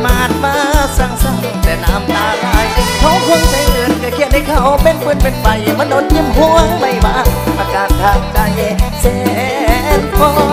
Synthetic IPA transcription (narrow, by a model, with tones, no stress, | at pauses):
maː˧˩t̪̚maː˧˥sa˨˧˩ŋsa˧˩ŋ˧t̪ɛː˨˧˩naː˧˥˩mnaː˨˧laː˧˩jpʰɔː˧˥pʰo˧˥ŋna˧˥˩mɯ˨˦˨nkaː˧˩kʰi˧˩ət̪̚ha˧˩jkʰaː˧˩ʔɔ˧˩k̚pe˧˨npɯ˧˥˨npe˧˥npa˨˧jma˧˥nːʔo˨˧˦t̪̚ɲi˧˥mhɔː˧˥ma˧˩jwaː˧˥ʔaː˧kaː˨˩t̪̚t̪ʰaː˧˩ŋ̚t͡ɕa˧˩jsɛː˧˩ | t̪̚pɔː˧